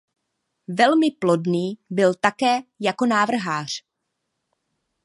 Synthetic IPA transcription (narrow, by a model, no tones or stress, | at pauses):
vɛlmɪplo̞dniːbɪlt̪akɛːjako̞naːvr̩ɦaːr̝̥